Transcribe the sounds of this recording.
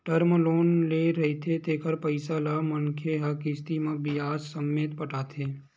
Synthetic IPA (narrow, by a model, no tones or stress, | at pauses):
ʈəɾməloːnleːɾɐɦet̪ʰet̪eːkəɾpəɪsalamɐŋkʰeɦakist̪imə̃bɪaːssəmːeːt̪pəʈaːt̪ʰeː